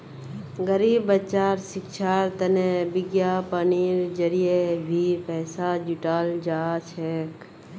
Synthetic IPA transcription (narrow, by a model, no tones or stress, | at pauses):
ɡəɾiːbət͡ʃaːɾsɪkʃʰaːɾt̪ənebɪɡjapəniɾd͡ʒəɾijebʱipɛːsad͡ʒʊʈaːld͡ʒaːt͡ʃʰɛk